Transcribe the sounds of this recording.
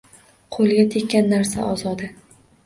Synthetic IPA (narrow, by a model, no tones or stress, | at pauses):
qʰolˠɡʲat̪ʰekʲʰːanːaɾsa̰ʔɒzɒd̪ɪ